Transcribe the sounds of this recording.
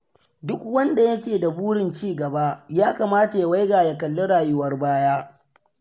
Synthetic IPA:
dʊ˦kwɐ˦nda˨jɐ˦kʲeː˨da˨buː˦ɽɪ˨nt͡ʃiː˦˨ɡɐ˨ba˦jaː˦kaː˨maː˦ta˨ja˦wa˦jɡaː˨ja˨kɐ˨lːo˦ɽaː˨jʊ˦wɐ˦rbaː˦jaː˦

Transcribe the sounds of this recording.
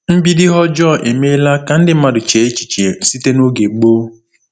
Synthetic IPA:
m̩˦bi˦dɪ˦ɦɔ˦d͡ʒɔ˦˨ʔe˨me˦la˦ka˨n̩˦dɪ˦ma˨dʊ˨t͡ʃe˨e˦t͡ʃi̥˨t͡ʃe˨n̩˨˦si˦te˦no˦ɡe˨ɡ͡boː˦

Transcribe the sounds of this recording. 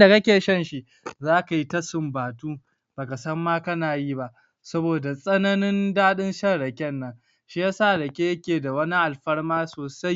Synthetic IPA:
da˨kɐ˦kʲeː˨ʃɐ˦nʃi˦ | zaː˦ka˨ji˦tɐ˦sɪ˦mbaː˨tuː˦ | b̥aː˨ka˨sɐ˦mːaː˦kɐ˦naː˨ji˦ba˦ʔ | sɐ˦boː˨da˨sʼɐ˦nɐ˦nɪ˦ndaː˦ɗɪ˦nʃɐ˦ɽɐ˨kʲɛ˦nːɐ˦ŋ | ʃi˦jaː˦saː˦˨ɽɐ˨kʲe˦jɐ˦kʲeː˨da˨wɐ˦ni˦ʔa˨lɸɐ˦ɽmaː˦soː˨sa˦j

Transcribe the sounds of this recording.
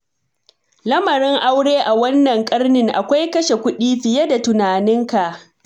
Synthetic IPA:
lɐ˦mɐ˨ɾɪ˦ŋʔa˦wɽeː˦ʔa˨wɐ˦nːɐ˨ŋkʼɐ˦rnɪ˦ŋʔa˨kʷa˦jkɐ˦ʃe˨kʷʊ˦ɗiː˦ɸɪ˨je˦da˨tʊ˨naː˨nɪ˦ŋka˨ʔ

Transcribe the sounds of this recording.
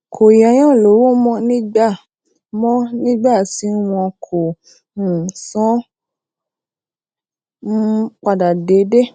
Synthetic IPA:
kʰo˨jɛ˨˧˦j̃ã˦˨lo˨˦wo˦mɔ̃˦nĩ˦ɡ͡ba˦˨ | mɔ̃˦nĩ˦ɡ͡ba˦˨ti˨˦w̃ɔ̃˧kʰo˨ | sɔ̃˨˦ | k͡pa˧da˨de˨˦de˦

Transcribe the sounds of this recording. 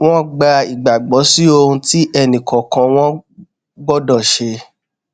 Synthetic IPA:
w̃ɔ̃˦ɡ͡ba˧i˨ɡ͡ba˨ɡ͡bɔ˨˦si˦o˧ũ˧ti˦ʔɛ˧nĩ˨kɔ̃˨kã˧w̃ɔ̃˦ | ɡ͡bɔ˦dɔ˦˨ʃe˧

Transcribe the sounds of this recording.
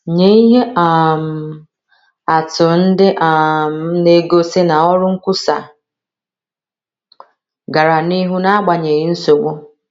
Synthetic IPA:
ɲe˦i˦ɦe˦ʔa˨m̩˨ | a˨tʊ˨n̩˦dɪ˦ʔa˨m˦ne˦ɡo˦se˦na˨ɔ˦ɾʊ˦ŋ̩˦kʷʊ˦sa˨ | ɡa˨ɾa˨ni˦ɦu˦na˦a˦ɡ͡ba˨ɲe˨i˦n̩˦so˨ɡ͡bo˦

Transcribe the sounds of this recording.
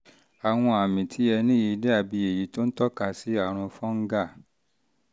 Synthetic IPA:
a˨w̃ɔ̃˧a˨mĩ˨tʰi˨˦ɛ˧nĩ˦i˧dɛ˦a˦˨bi˧e˨ji˨˦to˦n̩˦tɔ˦ka˧si˨˦a˦˨ɾ̃ɔ̃˧fɔ̃˦ŋ̩˦ɡa˦˨

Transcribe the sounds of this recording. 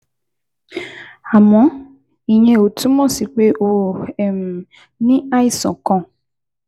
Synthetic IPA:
a˨mɔ̃˨˦ | i˨j̃ɛ̃˧o˨tũ˦mɔ̃˦˨si˨˦k͡pe˦ʔo˦˨ɛ˨m̩˨ | nĩ˦a˦i˦˨sɔ̰̃˨kɔ̃˧˨

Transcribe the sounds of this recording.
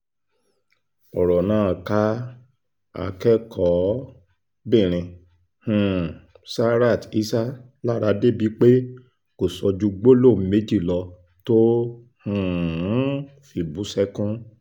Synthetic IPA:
ɔ˨ɾɔ˨nãː˨˦˨ka˧˦ | a̰˧kɛ˦kʰɔ˨˦ | bĩ˦˨ɾ̃ĩ˨˧ | hũ˨ | sa˦ɾa˦˨ti˦sa˦ | la˦˨ɾa˧˦de˦˨bi˨˦k͡pe˦ | ko˨sɔ˧d͡ʒu˧ɡ͡bo˦lo˦˨m̩˦me˨˦d͡ʒi˦˨lɔ˧ | to˦ | hũ˦˨˦ | fi˧˨bu˨˦sɛ˦kũ˦

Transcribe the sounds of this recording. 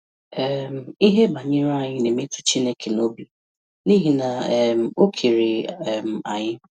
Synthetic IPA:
ɛ˦m˦˨i˦ɦe˦ba˨ɲɪ˦ɾa˦˨ɲɪ˦ne˨mi˦tu̥˨t͡ʃi˦ne˦ke˨no˦bi˨ | ni˦ɦi˨na˨m̩˨o˦kʰi˨ɾi˨m̩˨a̰˨ɲɪ˦

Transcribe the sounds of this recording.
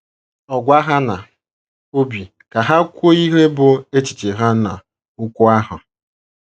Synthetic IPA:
ɔ˨ɡʷa˦ɦa˦na˨ | o˦bi˨ | ka˨ɦa˦kʷo˦i˦ɦe˦bʊ˨e˦t͡ʃi̥˨t͡ʃɪ˨ɦa˦na˨ | ʊ˦kʷʊ˦a˦ɦʊ˨

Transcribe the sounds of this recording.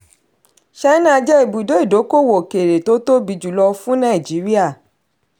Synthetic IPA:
ʃa˦nã˦˧d͡ʒɛ˦i˨bu˨do˨˦i˦˨do˨˦ko˦˨wo˨ke˨ɾe˨to˨˦to˦bi˧d͡ʒu˦˨lɔ˧fũ˦nã˦i˨d͡ʒi˨˦ɾi˦a˦˨

